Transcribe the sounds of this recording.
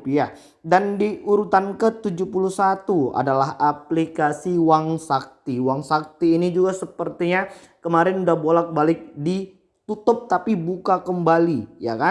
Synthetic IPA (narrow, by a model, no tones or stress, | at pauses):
pja | dandiʔuɾut̪ankət̪ud͡ʒupuluhsat̪ua̰dalaɦaplikasiwaŋsak̚t̪iwaŋsak̚t̪iːnid͡ʒuɡasəpərt̪iɲa | kəmaɾɪnudahbolak̚balɪk̚di | t̪ut̪ʊp̚t̪apibukakəmbalija̰ka